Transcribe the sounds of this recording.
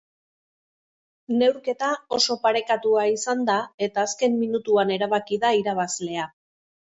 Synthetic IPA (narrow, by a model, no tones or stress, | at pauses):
ne̞wɾke̞t̪ao̞so̞paɾe̞kat̪uaisand̪ae̞t̪aːske̞mminut̪uane̞ɾaβakiðaiɾaβazle̞a